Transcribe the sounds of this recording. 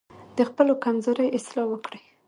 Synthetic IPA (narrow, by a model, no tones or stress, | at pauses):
d̪əxpəlokamzoɾajɪst̪lɑwəkɽij